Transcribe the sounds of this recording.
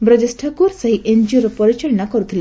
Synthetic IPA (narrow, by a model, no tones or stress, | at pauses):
bɾɔd͡ʒesʈʰakuɾsɔɦiʔend͡ʒioɾɔpɔɾit͡ʃɔɭɔnakɔɾut̪ʰile